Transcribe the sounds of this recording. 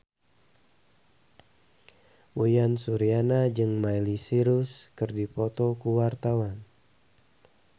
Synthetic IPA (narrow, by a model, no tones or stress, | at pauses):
wujansuɾianad͡ʒɨŋmajlisiɾuskɨrdipɔt̪ɔkuwart̪awan